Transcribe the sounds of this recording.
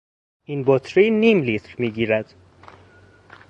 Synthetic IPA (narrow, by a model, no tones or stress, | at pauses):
ʔinbot̪ʰɾiniːmlit̪ʰɾmiːɡiːɾæd̪̥